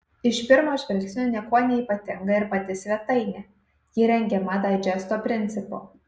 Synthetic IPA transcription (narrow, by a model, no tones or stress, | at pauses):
ɪʃpʲɪɾmoːʃʲʋʲɪlʲksʲnʲunʲɛkuɔnʲɛiːˑpɐt̪ʲɪŋɡɐɪɾpɐt̪ʲɪsʲʋʲɛt̪ɐɪnʲɛ | jɪɾʲɛŋʲɡʲɛmɐd̪ɐɪd͡ʒʲɛst̪opʲɾʲɪnʲt̪sʲɪpo̰